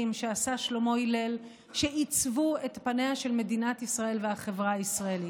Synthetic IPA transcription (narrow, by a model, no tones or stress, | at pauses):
imʃe̞asaʃlo̞mo̞ile̞l | ʃe̞it͡svue̞tpane̞aʃe̞lme̞dinatisʁae̞lvehaχe̞vʁaaisʁaeli